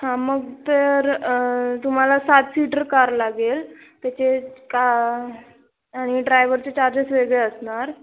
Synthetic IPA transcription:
hãməɡt̪əɾ | t̪um̤alasat̪siʈəɾkaɾlaɡelt̪jat͡ɕeka | aɽ̃iɖɾajʋəɾt͡ɕet͡ɕaɾd͡ʑəsʋeɡɭeəsɳaɾ

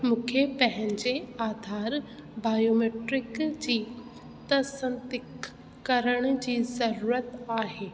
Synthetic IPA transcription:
mũːkʰepɐ̃ɦɪ̃ɲd͡ʑeaːd̪ʱaːɾ | baːjoːmeːʈɾɪkd͡ʑiː | t̪əsə̃nt̪ɪkː | ɐɾəɽ̃̆d͡ʑiːzɐɾuːɾət̪aːɦeː

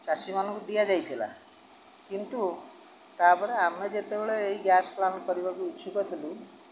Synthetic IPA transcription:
t͡ʃasimanɔkud̪ijad͡ʒajt̪ʰila̰ | kint̪u | t̪abɔɾeamned͡ʒet̪ebeɭeeiɡjasplankɔɾibakuiːʃʰukɔt̪ʰilũ

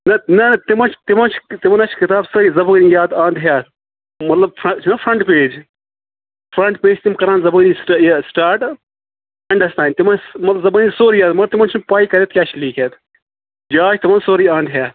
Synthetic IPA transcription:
nɐnɐnɐt̪imɐnt͡ʃʰt̪imɐnt͡ʃʰt̪imɐnɐt͡ʃʰkɪt̪aːbsɐɾiːzɐbəːnijaːd̪ãːnd̪ɦjaː | mɐt̪lɐb̚pʰɐt͡ʃʰnɐpʰɾɐɳʈpeːd͡ʒ | pʰɾɐɳʈpeːd͡ʒt̪imkɐɾãːnzɐbəːnisʈjsʈaːɾʈ | ɐɳɖɐsʈ̪ãːnʲt̪imɐnmɐt̪lɐbzɐbəːnisoːɾijaːd̪mɐt̪imɐnt͡ʃʰnpaːikɐɾet̪̚kʲaːt͡ʃʰliːkeːt̪ | d͡ʒaːt͡ʃʰt̪imɐnsoːɾiãːnd̪ɦjaː

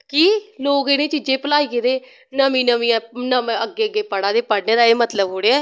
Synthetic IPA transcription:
kiːloːkɪnẽːt͡ʃiːd͡ʒẽːpəlaːiːked̪eː | nəmĩːnəmĩːãːnəəɡːeːəɡːeːpəɽaːd̪eːpəɽneːd̪aːeːmət̪ləbɦoːɽeːɛː

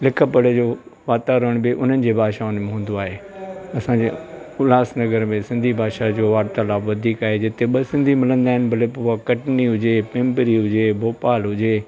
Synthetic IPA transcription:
lɪkʰəpəɽed͡ʑoː | ʋaːt̪aːɾəəɽ̃bɪʔʊn̤ənɪ̆d͡ʑeːbʱaːʃaʊnmẽɦũːnd̪oaːɦeːɐsãɲd͡ʑeʊlaːsnɐɡəɾmẽsɪ̃nd̪ʱibʱaːʃad͡ʑoːʋaːɾt̪alaːbʋɐd̪ʱiːkaːɦed͡ʑɪt̪eɓɐsɪ̃nd̪ʱimɪlə̃nd̪aːɦɪnɪbʱɐlepːakɐʈniɦʊd͡ʑepẽːmpəɾiɦʊd͡ʑeboːpaːlɦʊd͡ʑe

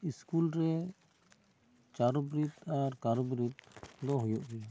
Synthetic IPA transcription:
iskulɾɛ | t͡ʃaɾɔbɾit̪aɾkaɾɔbɾit̪̚d̪ɔɦɔjɔʔbɛ

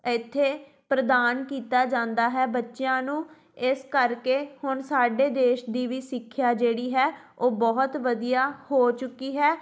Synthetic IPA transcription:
ɪt̪ʰːeː | pɾəd̪aːnkiːt̪aːd͡ʒãːnd̪aːɦɛːbətːʃjãːnũː | ɪskəɾkeːhʊɳsaːɖeːd̪eːʃd̪iːʋiːsɪkʰːjaːd͡ʒeːɽiːɦɛː | oːbɔːt̪ʋəd̪ijaːhoːt͡ʃʊkːiːɦɛː

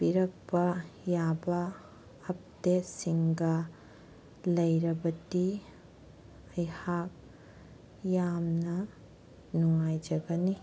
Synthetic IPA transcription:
biɾɐk̚pɐjabɐː | p̚tesiŋɡɐ | lɐjɾɐbɐti | ɐjhak̚ | jamnɐ | nuŋajd͡ʒɐɡɐni

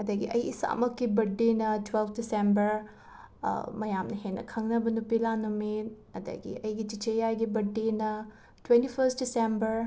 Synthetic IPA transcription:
ɐdɐɡiʔɐjisa̰mɐkːibɐɖinɐtwelpʰdisembɐɾ | mɐjamnɐɦenːɐ̰kʰɐŋnɐbɐnupilanumit | ɐdɐ̰ɡḭɐjɡit͡ʃit͡ʃejajɡibɐɖːinɐ | twentipʰɐɾst̚disembɐɾ

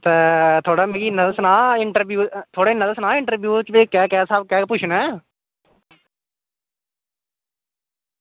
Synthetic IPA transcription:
t̪ɛːt̪ʰoːɽaːmẽːɡiːnəd̪əsnaːɪɳʈəɾbjuːt̪ʰoːɽaːɪnəd̪əsnaːɪɳʈəɾbjuːt͡ʃʋeːkɛːkɛːsəbkɛːpʊt͡ʃʰnɛ̃ː

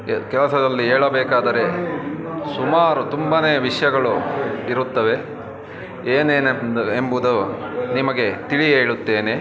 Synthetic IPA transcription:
kɛlɐsɐd̪ɐlːiɦɛːɭɐbɛːkaːd̪ɐɾe̞ | sumaːɾut̪umbɐneːʋiʂjɐɡɐɭuiɾut̪ːɐʋe̞ | eːneːned̪embud̪unimɐɡe̞t̪iɭieːɭut̪ːe̞ːne

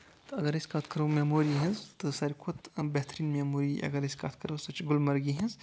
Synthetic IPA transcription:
t̪ɐɡəɾesʲkaːt̪ʰkɐɾoːmeːmoːɾiɦẽzt̪ɨsaːɾikʰot̪bɛɦt̪ɾiːnmemoːɾiʔɐ̰ɡəɾɐsʲkat̪ʰkɐɾosɐt͡ʃɡʊlmɐɾɡiɦẽz

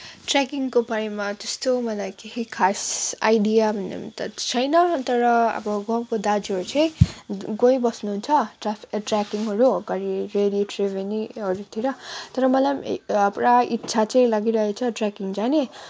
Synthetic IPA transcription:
ʈrakiŋkopaɽemat̪ʌst̪omʌlajkeɦikʰasa̰jdijabʱʌnːḛm̰t̪ʌt͡sʰʌjnʌt̪ʌɾʌʌ̰bʌɡʌmkod̪ad͡ziɦʌɾut͡sʌj̃ɡojbʌsnuɦunt͡sʰʌʈrapʰi̥kʈrakiŋɦʌɾuɡʌɾiɾeɽioʈrebʱeniɦʌɾut̪ʰiɾʌt̪ʌɾʌmʌlajmʌpɾaitːsʰat͡sʌ̃j̃laɡiɾʌɦet͡sʰʌʈrakiŋd͡zane

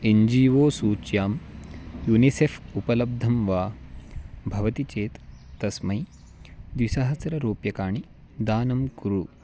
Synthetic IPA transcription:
eɲd͡ʒiːʋoːsuːt͡ʃjaːmjunisefupɐlɐb̚d̪ʱɐmʋaː | bʱɐʋɐt̪it͡ʃeːt̪ːɐsmɐj | d̪ʋisɐɦɐt͡sɐɾɐɾoːpjɐkaːɳi | d̪aːnɐmkuɾu

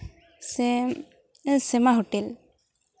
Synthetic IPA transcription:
s | sɛmaɦoʈel

